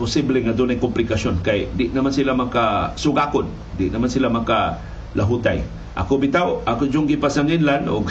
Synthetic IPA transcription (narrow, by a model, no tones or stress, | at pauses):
pʊsibleŋad̪unajkʊmplɪkasonkajd̪ɪʔnamansilamakasʊɡakʊn | dɪʔnamansilamaka | lʔaɦut̪aj | ʔa̰kʊbit̪awakʊd͡ʒʊŋɡipasaŋɪnlanʊ̰ɡ